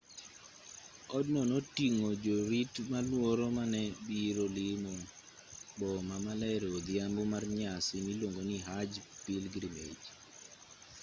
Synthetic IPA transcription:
ɔdnɔnotiŋod͡ʒoɾitmalwoɾomanɛbiɾolɪmo | bɔmamalaɛɾod̪jambomarɲasinilwoŋɡoniɦad͡ʒpilɡɾimḛd͡ʒ

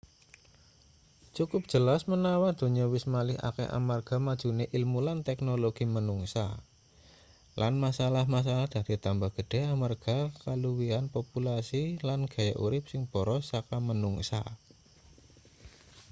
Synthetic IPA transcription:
t͡ʃukʊp̚dʒ̥ə̤lasmənawad̪̥o̤ɲawɪsmalɪha̰kɛ̰ʔa̰marɡ̥a̤mad̥ʒ̥ṳneʔilmulant̪ɛknoloɡ̥imənuŋsa̰ | lʔanmasalahmas̬alahd̥̪a̤d̪̥it̪ambahɡ̥əd̥ɛɦamarɡ̥akaluwianpopulasilanɡ̥a̤jaʔṵɾɪp̚sɪŋb̥o̤ɾɔsakamənuŋsa̰

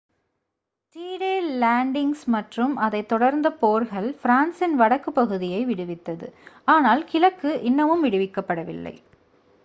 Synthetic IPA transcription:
t̪iːɽeːlaːɳɖɪŋɡsmɐʈrɯmɐðɐɪt̪ːɔɽɐɾnd̪ɐpoːɾɣɐɭfɾaːnsɪnʋɐɽɐkːɯpːɐɣɯðɪjɐɪʋɪɽɯʋɪt̪ːɐðɯ̰aːnaːlkɪlɐkːɯʔɪnːɐʋɯmʋɪɽɯʋɪkːɐpːɐɽɐʋɪ̰lːɐ̰ɪ

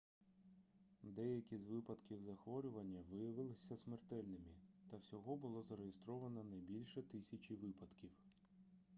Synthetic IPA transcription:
d̪ɛjɐkʲizʋɪpɐd̪kʲiwzɐxʋɔɾʲʊʋɐnʲːɐʋɪjɐʋɪlˠɪsʲɐsmert̪ɛlʲnɪmit̪ɐwsʲɔɦɔbʊlˠɔzɐɾejest̪ɾɔʋɐnɐnɐjbʲilʲʃɛt̪ɪsʲɐt͡ʃʲiʋɪpɐd̪kʲiw

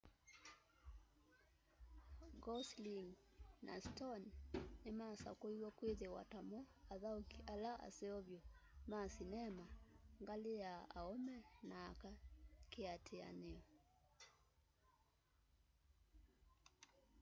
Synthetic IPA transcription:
ɡɔsliŋ | na̰stɔnnemasa̰koiwɔkweðewa̰tamɔaðaokiʔalaʔa̰seɔβjɔmasinɛmaŋɡaleaa̰omɛnaːkakeatʰea̰neɔ

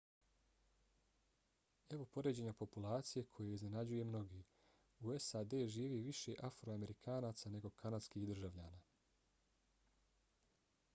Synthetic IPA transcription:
e̞ʋo̞po̞ɾed͡ʑe̞ɲapo̞pulˠaːt̪sije̞kʰo̞jeizne̞nad͡ʑuje̞mno̞ɡiː | ue̞sad̪e̞ːʒiːʋiʋiʃe̞ʔafɾoame̞ɾikʰaːnaːt̪sane̞ɡo̞kʰanad̪skihd̪r̩ʒaʋʎaːnaː

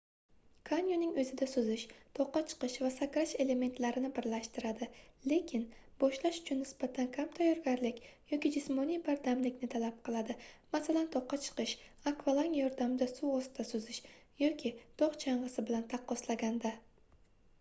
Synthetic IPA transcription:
kʰanʲjonɪŋɵzɪd̪asʊzɪʃt̪ʰɒqːɑt͡ʃʰɨ̥qɨʃvasakɾat͡ʃe̞le̞me̞nt̪laɾɪnɪbɪɾlaʃt̪ɪɾad̪ɪle̞kʲʰɪnbɒʃlaʃʊ̥t͡ʃʰʊnːɪsbat̪ʰankʰamt̪ʰajɒɾɡʲaɾlɪkʲjɒkʲɪd͡ʒɪsmɒnijbaɾd̪amlɪkʲnɪt̪ʰalap̚qɨlˠad̪ɪmasalant̪ʰɒqːɑt͡ʃʰɨ̥qɨʃakvalˠaŋjɒɾd̪amɪd̪asuɒst̪ɪd̪̥asʊzɪʃjɒkʲʰɪt̪ɒqt͡ʃʰaɴʁɨsɪbɪlant̪ʰaqːɒslaɡʲand̪a

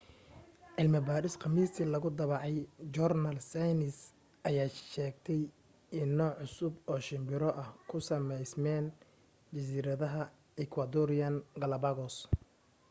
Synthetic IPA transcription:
ʕɪlmɐbaːɾɪsqɑmiːst̪ʰiːlɐɣʊd̪ɐβɑʕɑjd͡ʒɔrnɐlsajnɪs | ʔɐjaːʃɛːɡ̚t̪ʰɛj | ɪnːɔːʕʊsʊbɔːʃɪmbɪɾɔʔɐhkʰʊsɐmɛjsmɛːn | t͡ʃɐs̬iːɾɐðɐɦɐ | ɛkʰwɐd̪ɔɾɪjɐnɡɐlɐbɐɣɔs

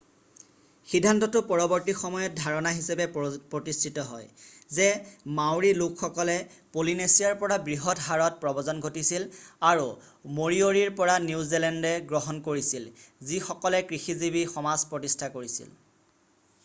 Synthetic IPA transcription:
xidʱːantɔtʊpɔɹɔbɔɹtixɔmɔjɔt̚dʱaɹɔnaɦisapɛpɹotistʰitɔɦɔjzɛmawɹilukxɔkɔlɛ | polinesiaɹpɔɹabɹiɦɔtɦaɹɔt̚pɹɔbɔzɔnɡʱotisilaɹu | moɹioɹiɹpɔɹanizilɛndɛɡɹɔɦɔnkoɹisilzixɔkɔlɛkɹixizibixɔmazpɹɔtistʰakoɹisḭl

